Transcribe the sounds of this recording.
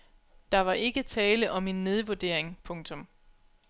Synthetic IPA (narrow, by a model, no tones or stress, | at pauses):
d̥ɑ̈ʋɑ̈ʔe̝ɡ̥ət͡sʰɛːləʔɒ̽me̝nːe̝ð̞ˠʋoɐd̥e̝ɐ̰eŋpʰɔ̽ŋt͡sʰɔ̽m